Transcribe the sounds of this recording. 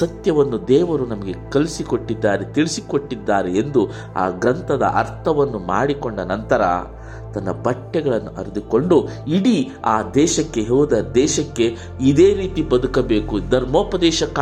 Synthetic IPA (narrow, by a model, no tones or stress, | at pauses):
sɐt̪jɐʋɐnːud̪ɛːʋɐɾunɐmɐɡe̞kɐlisiko̞ʈːid̪ːaːɾet̪iɭisiko̞ʈːid̪ːaːɾeːnd̪u | a̰ːɡɾɐnt̪ɐd̪ɐ̰ʔɐ̰ɾt̪ʰɐʋɐnːuma̰ːɽiko̞ɳɖɐnɐnt̪ɐɾɐ̰ | t̪ɐnːɐbɐʈːɛɡɐɭɐnːuʔɐɾid̪uko̞ɳɖuiɽi | aːd̪ɛːʃɐkːe̞ɦoːd̪ɐd̪ɛːʃɐkːe̞ | id̪eːɾiːt̪ibɐd̪ukɐbeːkud̪ɐɾmoːpɐd̪ɛːʃɐkːa